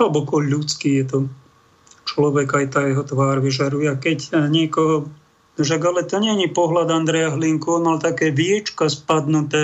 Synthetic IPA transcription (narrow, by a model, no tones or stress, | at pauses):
ɦɛlbɔkɔʎut͡skiːjɛt̪ɔ | t͡ʃlɔʋɛɡajt̪aːjɛɦɔt̪ʋaːɾʋiʒaɾujɛakɛcɲɪɛkɔɦɔ | nɔʃ̬aɡalɛt̪ɔɲɪɛɲipɔɦlad̪and̪ɾɛjaɦliŋkuɔːnmalt̪akɛːʋiɛt͡ʃkaspad̪nut̪ɛː